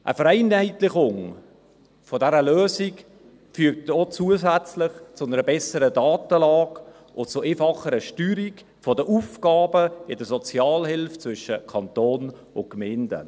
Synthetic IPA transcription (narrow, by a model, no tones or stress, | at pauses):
ʔə̰fəɾɛɪnɛɪtlɪχʊŋ | fɔdɛɾəløːzik | fyːk̚tot͡suəzæt͡slɪχt͡sʊnəɾəbɛsəɾədɑːtəlɑːk | ʔʊt͡sʊʔeːfɑχəɾəʃtyːɾik | fɔdəʔufɡ̥ɑːbəɪdəsɔt͡sjɑːlhɪlft͡svʏʃəkʰɑntoːn | ʊnkmɛːndə̰